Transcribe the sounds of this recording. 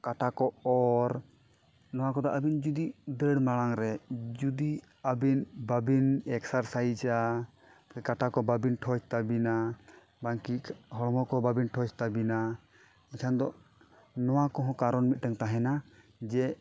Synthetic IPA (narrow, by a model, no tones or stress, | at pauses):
kaʈʰakɔɔɾ | nɔwakɔd̪ɔʔabind͡ʒud̪iʔd̪əɽmaɽaŋɾɛd͡ʒud̪i | abinbabinɛksaɾsajd͡ʒa | kɛkaʈʰakɔbabinʈʰɔt͡ʃt̪abina | baŋkiɦɔɽmɔkɔbabinʈʰɔt͡ʃt̪abina | ikʰand̪ɔʔ | nɔwakɔɦɔ̃kaɾɔnmit̪̚ʈəŋt̪aɦɛna | d͡ʒɛ